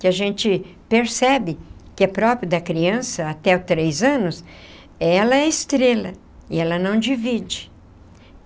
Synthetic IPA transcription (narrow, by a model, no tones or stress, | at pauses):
kɪaʒẽnt͡ʃɪ | peɾsɛbɪkɪɛpɾɔpɾiɐd̪ɐkɾiɐ̃sɐat̪ɛʊt̪ɾejzɐ̃nʊs | ɛlɐɛɪst̪ɾelɐ | ɪɛlɐnɐ̃w̃d͡ʒivid͡ʒɪ̥